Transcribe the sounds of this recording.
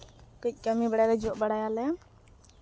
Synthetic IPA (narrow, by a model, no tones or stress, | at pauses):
kəc̚ˀkəmibəɽajlɛd͡ʒuʔbəɽajalɛ